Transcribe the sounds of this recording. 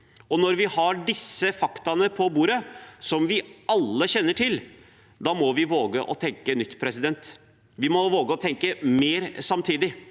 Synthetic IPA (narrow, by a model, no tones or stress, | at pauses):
ɔnɔɾʋɪhɑɖɪsːəfɑkt̪ɑnəpʰɔbuːɾəsɔmʋɪʔɑlːəçɛnːəʈʰɪl | d̪ɑːmɔʋɪʋoːɡəʔɔt̪ʰɛŋkənʏt̪ːpʰɾɛsɪd̪ɛnt̪ | ʋɪmɔʋoːɡəɔt̪ʰɛŋkəmeːɾsɑmt̪ʰiːd̪ɪ